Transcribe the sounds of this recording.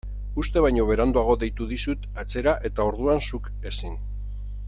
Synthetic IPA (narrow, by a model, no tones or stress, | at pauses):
ust̪e̞βajɲo̞β̞e̞ɾand̪uaɣ̞o̞ðe̞jt̪uðisut̪at͡se̞ɾaʔe̞t̪ao̞ɾð̞uansuk | e̞sin